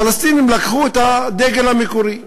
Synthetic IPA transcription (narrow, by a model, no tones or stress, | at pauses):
alast̪inimlakχuet̪had̪eɡelhamikuʁi